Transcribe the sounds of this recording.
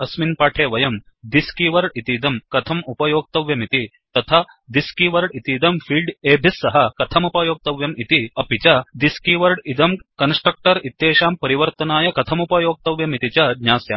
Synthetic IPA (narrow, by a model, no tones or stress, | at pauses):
ɐsminpaːʈʰeːʋɐjɐm | d̪iskiʋɐɾɖit̪iːd̪ɐmkɐt̪ʰɐmupɐjoːɡ̚t̪ɐʋjɐmit̪i | t̪ɐt̪ʰaː | d̪iskiʋɐɾɖit̪iːd̪ɐmfʰiːlɖeːbʱisːɐɦɐkɐt̪ʰɐmupɐjoːɡ̚t̪ɐʋjɐmit̪iɐpit͡ɕɐd̪iskiʋɐɾɖid̪ɐmkɐnsʈɾɐk̚ʈɐɾit̪jeːʃaːmpɐɾiʋɐɾt̪ɐnaːjɐkɐt̪ʰɐmupɐjoːɡ̚t̪ɐʋjɐmit̪it͡ɕɐd̪ɲaːsja̰ːm